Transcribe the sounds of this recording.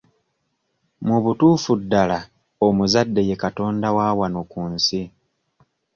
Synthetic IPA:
muβutuːfudːala | omuzadːe̞je̞kato̞ːndawaːwanokuːnsi

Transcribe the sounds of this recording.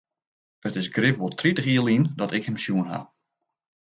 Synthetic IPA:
ətɪsɡrɪfʋɔlˠtʰritəχiəlˠindɔtɪkhɛmsjuənɦa̰

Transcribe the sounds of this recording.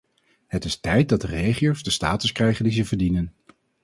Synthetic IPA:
ɦətɪstɛjt̚dɑdərejχiowzdəsta̰ːtəskrɛjχəndizəvəɹdinən

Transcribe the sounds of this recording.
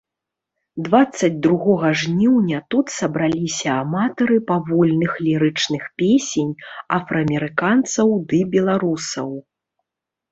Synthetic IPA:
d̪vat̪sːɐd͡zʲd̪ɾuɣɔɣɐʐnʲiwnʲɐt̪ut̪sɐbɾalʲisʲɐːmat̪ɐɾɨpavɔlʲnɨxlʲiɾɨt͡ʂnɨxpʲesʲenʲafɾɐːmʲɛɾɨkant̪sɐwd̪ɨbʲɛlˠaɾusɐ̰w

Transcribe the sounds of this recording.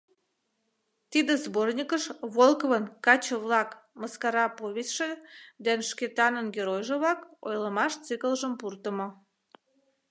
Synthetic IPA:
t̪id̪ezbornʲikəʃβolkəβənkɑt͡ɕəβlɑkməskɑɾɑpoβʲetʲʃĕd̪ænʃket̪ɑnənɡʲeɾojʒĕβɑko̰jləmɑʃt͡sikəlʒəmpurt̪əmo

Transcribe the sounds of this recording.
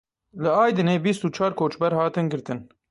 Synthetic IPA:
lɨɑːjd̪ɨneːbist̪uːt͡ʃʰɑːɾkʰoːt͡ʃbɛɾhɑːt̪ɨnɡɨɾt̪ɨn

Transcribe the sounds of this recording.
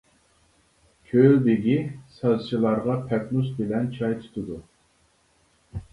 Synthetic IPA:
kʲʰølb̪ɪɡʲisɑzt͡ʃʰilˠɑɾʁɑpʰɛknusbɪlɛnt͡ʃʰɑjt̪ʰu̥t̪ʰɨd̪u

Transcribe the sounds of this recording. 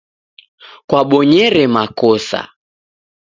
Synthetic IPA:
kwaɓɔɲɛɾɛmakɔsa̰

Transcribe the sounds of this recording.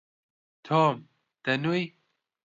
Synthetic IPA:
t̪ʰom | t̪ɐnuj

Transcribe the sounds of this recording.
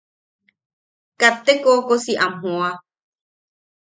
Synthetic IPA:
kat̪ːekokosiʔamɦõa

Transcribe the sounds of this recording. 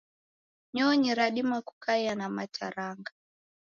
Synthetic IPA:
ɲɔːɲiɾaɗimaku̥kajanamatʰaɾaŋɡa

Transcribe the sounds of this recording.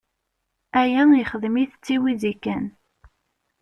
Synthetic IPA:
æjænjəχəðmiθt͡sːiwiðikːæn

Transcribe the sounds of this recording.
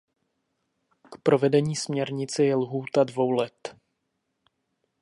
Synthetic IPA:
kpɾo̞vɛdɛɲiːsmɲɛɾɲɪt͡sɪjɛlɦuːt̪advo̞wlɛt̪

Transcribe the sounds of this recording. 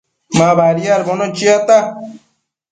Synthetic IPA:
mabaːɾijaɾbonot͡ʃiat̪a

